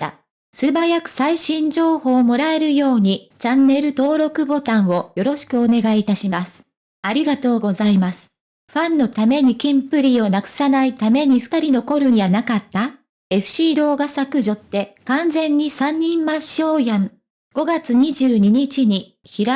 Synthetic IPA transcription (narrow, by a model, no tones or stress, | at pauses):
a̰ | sɨbajakɯ̟̥saiɕĩɲd͡ʑo̞ːho̞ːmo̞ɾae̞ɾɯ̟jo̞ːɲ̟it͡ɕanːe̞ɾɯ̟t̪o̞ːɾo̞kɯ̟bo̞t̪ãɰ̃o̞jo̞ɾo̞ɕi̥kɯ̟o̞ne̞ɡaiːt̪aɕimasɨ̥ | aɾʲiɡat̪o̞ːɡo̞zaimasɨ̥ | ɸãnːo̞t̪ame̞ɲ̟ikʲĩmpɯ̟ɾʲiːo̞nakɯ̟̥sanait̪ame̞ɲ̟iɸɯ̟̥t̪aɾʲino̞ko̞ɾɯ̟̃ɲ̟ianakat̪ːa | e̞ɸɯ̟̥ɕiːd̪o̞ːɡasakɯ̟ʑo̞t̪ːe̞kãnd͡zẽ̞ɲ̟ːisãɲ̟ːĩmːãɕo̞ːjãŋ | ɡ̥o̞ɡat͡sɨɲ̟iʑɨːɲ̟iɲ̟it͡ɕiɲ̟i | çiɾa